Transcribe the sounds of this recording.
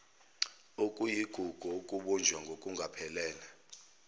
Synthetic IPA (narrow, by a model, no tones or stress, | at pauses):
okʼujiɡ̥ʱuɡ̥ʱuokʼuɓund͡ʒʱwaŋɡʱokʼuŋɡʱapʰɛlɛːla